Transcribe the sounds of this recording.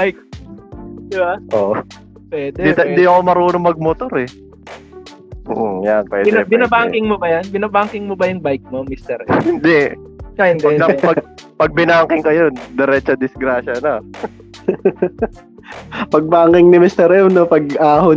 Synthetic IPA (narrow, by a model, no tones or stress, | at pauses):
bajk̚ | d̪ɪbaʔoʔ | pwɛːd̪ɛd̪it̪ɐɪnd̪iɐkomɐɾuːnomɐɡ̚mot̪oɾɛ | ʔ̩janpwɛ̰d̪bɪnabaŋkɪŋmobɐjanbɪnabaŋkɪŋmobɐjʊŋbajk̚momist̪ɛɾhɪnd̪ɛ | ŋahɪnd̪ɐɡɐpɐɡ̚pɐɡ̚bɪnaːŋkɪŋkɐjond̪ɛɾɛt͡ʃɐd̪ɪsɡɾaːʃɐno | pɐɡ̚baːŋkɪŋnɪmɪst̪ɛɾjomnopɐɡ̚ʔaːho